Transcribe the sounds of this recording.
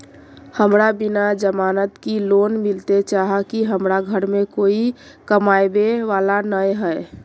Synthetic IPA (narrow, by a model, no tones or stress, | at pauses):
həmɾabinad͡ʒəmaːnət̪kiloːnmilt̪et͡ʃaɦakiɦəmɾaɡʱəɾmẽkoːi | kəmajbeʋaːlanəjɦɛe